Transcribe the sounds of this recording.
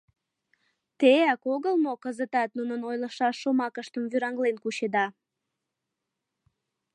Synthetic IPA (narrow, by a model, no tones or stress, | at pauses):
t̪eækoɣəlmokəzət̪ɑt̪nunənojləʃɑʃːomɑkəʃt̪əmvyɾɑŋlenkuɕed̪ɑ